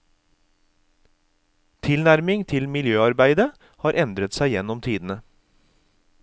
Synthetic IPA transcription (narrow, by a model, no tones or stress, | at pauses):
t̪ʰɪlnæɾmɪŋt̪ʰɪlmɪljøːɑɾbæɪd̪ə | hɑːɾʔɛnd̪ɾət̪sæɪjɛnɔmt̪ʰiːd̪n̩ə